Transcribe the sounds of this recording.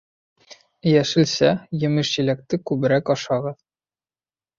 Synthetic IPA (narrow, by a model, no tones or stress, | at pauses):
jæʃɘ̆lsæjɘ̆mɘʃʑĭlæk̚t̪ɘkʉbɘ̆ɾækɒʃɑʁɤð